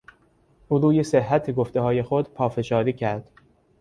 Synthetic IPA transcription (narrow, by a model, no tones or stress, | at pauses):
ʔuːɾuːjeseɦːæt̪ʰeɡoft̪e̞hɒːje̞xod̪pʰɒːfe̞ʃɒːɾiːcʰæɾd̪̥